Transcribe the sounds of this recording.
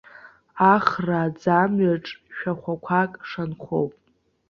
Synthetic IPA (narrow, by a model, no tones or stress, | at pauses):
aχraːd͡zamɥaʈ͡ʂʼʃᶣaχʷakʷʰakʼʂanχowpʼ